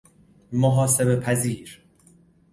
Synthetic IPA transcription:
moɦɒːse̞be̞pʰæziːɾ

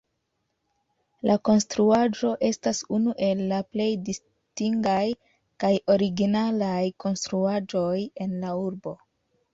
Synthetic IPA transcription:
lako̞nstɾuad͡ʒo̞ʔe̞stasunuʔe̞lːaple̞jdis | tiŋɡaj | kajo̞ɾiɡinalajko̞nstɾuad͡ʒo̞je̞nlauɾbo̞

